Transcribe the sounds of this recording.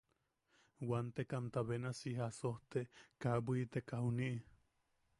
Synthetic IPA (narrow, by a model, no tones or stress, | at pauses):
want̪ekant̪aβenasiɦasoht̪eʔkabwit̪ekahuniʔ